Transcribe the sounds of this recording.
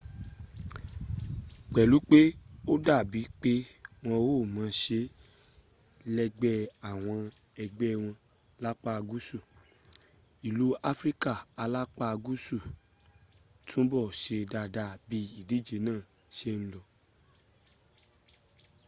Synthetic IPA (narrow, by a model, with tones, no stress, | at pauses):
k͡pɛ˨lu˨˦k͡pe˦o˦da˦˨bi˨˦k͡pe˦w̃ɔ̃˧wo˦˨mãː˨˦ʃe˧ | lɛ˧ɡ͡bɛ˧a˨w̃ɔ̃˧ | ɛ˧ɡ͡bɛ˦˧w̃ɔ̃˧ | la˦k͡pa˦˧ɡu˦su˦˨ | i˨lu˨˦a˦fɾi˦ka˦˨a˧la˦k͡pa˦˧ɡu˦su˦˨ | tũ˦bɔ˦˨ʃe˧da˧˨da˨˦bi˧˦i˦˨di˨˦˨d͡ʒe˧˦nãː˦˨ | ʃe˦ñ̩˦lɔ˧˨